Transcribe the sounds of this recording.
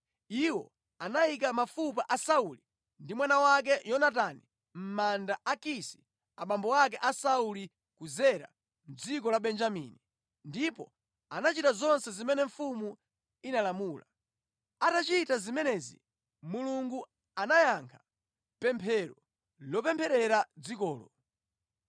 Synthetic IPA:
iwɔ | anaik̬amafupaʔasauli | ndimwanawak̬ɛjɔnat̬ani | m̩mandaʔakisi̥ | aɓambɔwak̬ɛʔasauli | kuzɛɾa̰ | m̩d͡zikɔlaɓɛnd͡ʒamḭni | ndipɔ | anat͡ʃitazɔnsɛzimɛnɛɱfumu | inalamuːla | atat͡ʃitazimɛnɛzḭ | muluŋɡu | anajaŋkʰa | pɛmpʰɛɾɔ | lɔpɛmpʰɛɾɛɾad͡zikɔːlɔ̰

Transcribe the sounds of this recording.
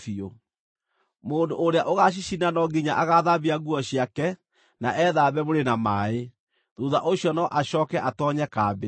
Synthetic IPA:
θio | moːndoʔːɾeaʔoɣaɕ̬iɕinanɔɡiɲaʔaɣaðaβiaɣuɔɕiakɛ | naʔɛðaːβɛβoɾenamae | ðuðaʔoɕiɔnɔʔaɕɔːkɛʔatɔɲɛkaːbe

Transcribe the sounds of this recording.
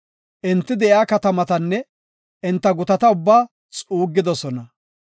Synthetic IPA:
ʔɪnt̪ːɪd̪ɛʔɪaːkɐt̪ɐmɐt̪ɐnːɛ | ʔɪnt̪ːɐɡʊt̪ɐt̪ɐʊbːaː | t͡sʼuːɡːɪd̪ɔsɔnɐ

